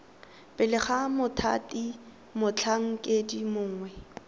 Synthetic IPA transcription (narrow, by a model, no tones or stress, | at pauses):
pʼɪlɪχamʊtʰa̰tʼi | mʊt͡ɬʰaŋ̩kʼedimʊːŋwɛ